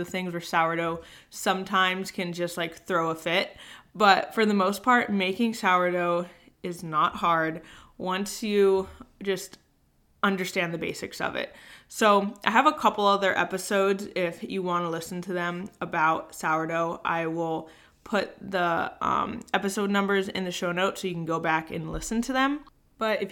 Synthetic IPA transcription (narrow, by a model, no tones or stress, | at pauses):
ðɨθɪ̃ŋzə˞saʊə˞ɾoʊ | sʌ̃mtʰãɪ̃mz̥kʰɨ̃nd͡ʒʌst̚ˡlaɪkθɹoʊəfɪt̚b̥ʌtfə˞ðəmoʊspʰɑɹt̚meɪkɪ̃ŋsaʊəɾoʊ | ɨznət̚hɑɹd̚ | wʌ̃nsjɨd͡ʒʌst | ʌ̃ndə˞stæ̃nðɨbeɪsɨksʌ̰vɪ̰t̚soʊʔaɪɨvəkʰʌpl̩ˠʌvðə˞ʔɛpɨsoʊdzɪfjɨwɑ̃nəlɪsn̩tʰɨðɨ̃məbaʊt̚saʊə˞ɾoʊʔa̰ɪwɪlˠ | pʰʊt̪̚ðiʌ̰̃mɛpɨsoʊdⁿnʌ̃mbə˞zɪ̰̃nðɨʃoʊnoʊtsoʊjɨkn̩ɡoʊbækɨ̰̃nlɪsɨ̃n̩tʰɨðɨ̃m | b̥ʌɾɨf